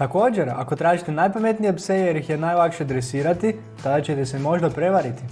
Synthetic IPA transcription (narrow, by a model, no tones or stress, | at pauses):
t̪ako̞ːd͡ʑeɾa̰ko̞t̪ɾaːʒit̪enajpame̞t̪nijepsejejeɾixjenajlˠakʃed̪ɾesiːɾat̪i | t̪ad̪at͡ɕet̪esemo̞ʒd̪apɾe̞ʋaɾit̪i